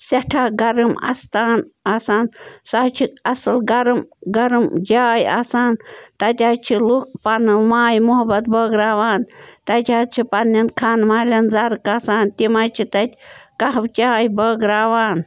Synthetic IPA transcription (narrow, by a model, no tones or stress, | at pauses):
sɐʈʰaːɡɐɾɨmɐ̰st̪aːnaːsaːnsaːt͡ʃʰiɐsɨlɡɐɾɨmɡɐɾɨmd͡ʒaːja̰ːsaːnt̪ɐt̪ʲaːt͡ʃʰilukpɐnɨmaːjmuɦɐbɐt̪bɐːɡɾaːʋaːnt̪ɐt̪ʲaːt͡ʃʰipɐnːɐnkʰaːnmaːlʲɐnzɐɾɨkaːsaːnt̪imajt͡ʃʰit̪ɐt̪ʲkɐɦɐwt͡ʃʲaːjbɐːɡɾaːʋaːn